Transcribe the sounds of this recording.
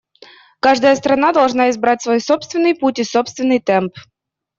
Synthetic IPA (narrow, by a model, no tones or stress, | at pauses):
kaʐd̪əjəst̪ɾɐnad̪ɐlˠʐnaɪzbɾatʲsvo̞jso̞pst̪vʲɪnːɨjputʲɪso̞pst̪vʲɪnːɨjt̪ɛmp